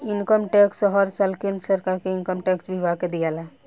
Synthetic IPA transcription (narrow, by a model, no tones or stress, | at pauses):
inkəmʈɛksəɦəɾsəlkinsəɾkaɾkeinkəmʈɛksbʱibaked̪ijala